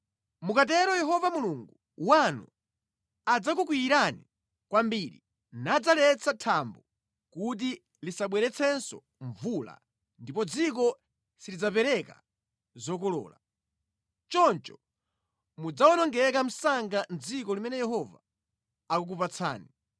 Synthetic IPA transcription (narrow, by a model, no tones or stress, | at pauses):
mukat̬ɛɾɔjɛɦɔvamuluŋɡu | wanṵ | ad͡zak̬uk̬wiːɾani | kwambiɾi | nad͡zalɛt͡sʰatʰambɔ | kut̬i | lisaɓwɛɾɛt͡sʰɛnsɔ̰ | ɱvula̰ | ndipɔd͡zikɔ | silid͡zapɛɾɛka̰ | zɔk̬ɔlɔ̰ːla | t͡ʃɔnt͡ʃɔ̥ | mud͡zawɔnɔŋɡɛkam̩saŋɡand͡zikɔlimɛnɛjɛɦɔva̰ː | kukupat͡sʰa̰ːni